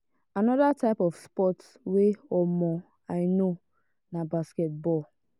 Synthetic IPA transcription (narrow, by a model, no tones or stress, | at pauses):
anɔdataɪpɔfspɔts | weɔmɔ | aɪno | nabasket̚bɔl